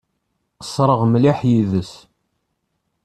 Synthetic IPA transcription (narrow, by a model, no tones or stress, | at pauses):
qə̥sːɾˤəʁmliħjiðəs